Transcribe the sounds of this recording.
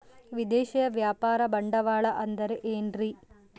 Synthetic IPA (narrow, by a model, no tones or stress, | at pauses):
ʋid̪eːʃɐjɐʋjaːpaːɾɐbɐɳɖɐʋaːɭɐʔɐnd̪ɐɾeʔeːnri